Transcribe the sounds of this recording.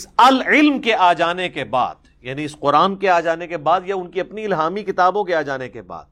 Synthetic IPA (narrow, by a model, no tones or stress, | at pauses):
ɪsɐlɪlmkeʔaːd͡ʒaːnekeba̰ːd̪ | jaːniɪsqʊɾaːnkeaːd͡ʒaːnekebaːd̪jaʊnkiɐpniɪlɦaːmikɪt̪aːbõkeaːd͡ʒaːnekeba̰ːd̪